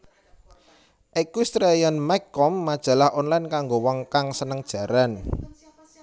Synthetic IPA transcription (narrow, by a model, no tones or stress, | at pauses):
ʔikust̪ɾejanmakːɔmːad̥ʒ̥a̤lahʔɔnlajnkaŋɡowɔŋkaŋsənəŋd̥ʒ̥ä̤ɾan